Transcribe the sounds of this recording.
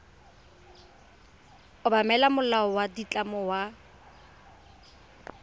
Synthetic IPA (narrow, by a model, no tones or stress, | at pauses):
ʊbamɛlamʊlaɔwadit͡ɬʼamɔwa